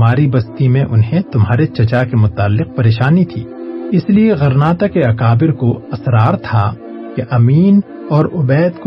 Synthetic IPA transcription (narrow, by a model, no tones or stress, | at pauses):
maːɾibɐst̪imẽʔʊnɦẽt̪ʊmɦaːɾet͡ʃɐt͡ʃakemʊt̪aːlːɪq̚pɐɾeːʃaːnit̪ʰḭːɪslieɣɐɾnaːt̪akeɐkaːbɪɾkoɐsɾaːɾt̪ʰa | keʔɐmiːn | ɔːɾʊbɛːd̪ko